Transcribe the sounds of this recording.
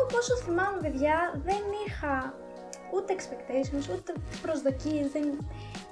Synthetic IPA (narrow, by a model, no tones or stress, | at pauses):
oposoθimɐmupeðʝɐðe̞nixɐ | ut̪e̞ːkspekt̪esimusut̪epɾo̞zðo̞cizðen